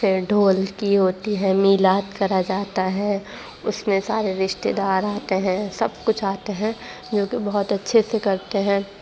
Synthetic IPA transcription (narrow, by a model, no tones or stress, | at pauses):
fɪɖʱoːlkiɦoːt̪iɦɛmiːlaːt̪kɐɾad͡ʒaːt̪aɦɛ | ʊsmẽsaːɾeɾɪʃt̪ed̪aːɾaːt̪eɦɛ̃sɐbkʊt͡ʃʰaːt̪eɦɛ̃ | d͡ʒoːkebɐɦʊt̪ɐtːʃʰesekɐɾt̪eɦɛ̃ː